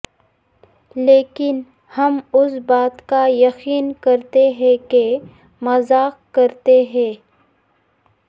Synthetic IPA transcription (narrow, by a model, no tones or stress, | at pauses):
leːkɪn | hɐmʊsbaːt̪kajɐxiːnkɐɾt̪eɦɛ̃ke | mɐzaːqkɐɾt̪eɦɛ̃ː